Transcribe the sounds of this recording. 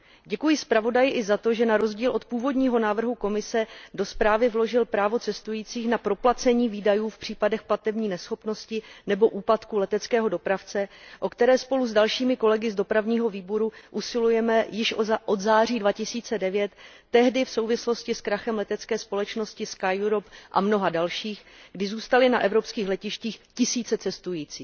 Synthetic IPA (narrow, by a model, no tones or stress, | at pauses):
ɟɛkujɪspɾavo̞dajɪʔɪzat̪o̞ʒɛnaɾo̞zɟiːlʔo̞t̪puːvo̞dɲiːɦo̞naːvr̩ɦuko̞mɪsɛdo̞spɾaːvɪvlo̞ʒɪlpɾaːvo̞t͡sɛst̪ujiːt͡siːxnapɾo̞plat͡sɛɲiːviːdajuːfpr̝̥iːpadɛxplat̪ɛbɲiːnɛsxo̞pno̞scɪnɛbo̞ʔuːpat̪kulɛt̪ɛt͡skɛːɦo̞do̞pɾaft͡sɛʔo̞kt̪ɛɾɛːspo̞luzdalʃiːmɪko̞lɛɡɪzdo̞pɾavɲiːɦo̞viːboɾuʔusɪlujɛmɛjɪʃʔod̪zaːr̝iːdvacɪsiːt͡sɛdɛvjɛt̪ː | ɛɦdɪfso̞wvɪslo̞scɪskɾaxɛmlɛt̪ɛt͡skɛːspo̞lɛt͡ʃno̞scɪskajuɾopʔa̰mno̞ɦadalʃiːxɡdɪzuːst̪alɪnaʔɛvɾo̞pskiːxlɛcɪʃciːxcɪsiːt͡sɛt͡sɛst̪ujiːt͡siːx